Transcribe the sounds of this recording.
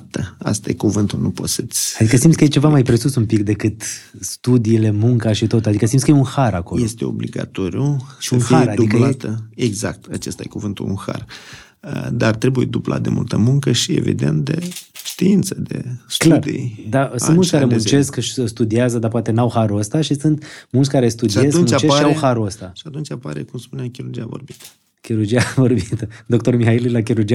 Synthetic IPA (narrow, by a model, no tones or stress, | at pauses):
t̪əa̰st̪ajekuvɨnt̪ulnupo̞̰t̪sət̪sʲad̪ikəsimd̪t̪skəjet͡ʃe̞vamajpɾe̞susumpikd̪e̞kɨt̪ | st̪ud̪iːle̞muŋkaʃit̪ot̪ad̪ikəsimd̪skəjeunhaɾako̞lje̞st̪e̞o̰bliɡa̰t̪o̞ɾijuʃiunhiaead̪d̪uilat̪əeɡzak̚t̪at͡ʃest̪ajekuvɨnt̪ṵunxa̰r | əd̪art̪ɾebujed̪ubla̰t̪̚d̪e̞̰mṵlt̪əmuŋkəʃie̞̰vḭd̪e̞̰nt̪̚d̪eʃt̪iint̪səd̪e̞̰stlarḭd̪asɨnmult̪skaɾemunt͡ʃt͡ʃe̞skʃst̪ud̪iazəd̪apoat̪e̞nawxaɾuəst̪aʃisɨnt̪mult̪sʲkaɾe̞st̪ud̪ieskunmut͡ʃekaʃiawhaɾuəst̪aʃiat̪unt͡ʃapaɾekumspuneamkʲiɾurd͡ʒijavo̞̰rbit̪ə̥ | kʲiɾurd͡ʒijavo̞rbit̪əd̪o̞kt̪o̞rmihaililak̬iɾurd͡ʒia